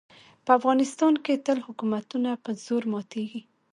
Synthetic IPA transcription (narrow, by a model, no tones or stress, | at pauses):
pəafɣɑnɪst̪ɑnket̪əlhʊkumat̪unapəz̥oɾmɑt̪eɡi